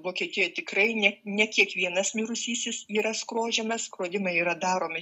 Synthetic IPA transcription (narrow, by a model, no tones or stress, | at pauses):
ʋoːkʲiɛt̪ʲɪjojt̪ʲɪkɾɐɪnʲɛnʲɛkʲiɛkʋʲiɛnɐsmʲiːɾʊsʲiːsʲɪsiːɾɐskɾoːʒʲɛmɐskɾoːd̪ʲɪmɐiːɾɐd̪ɑːɾoːmʲɪ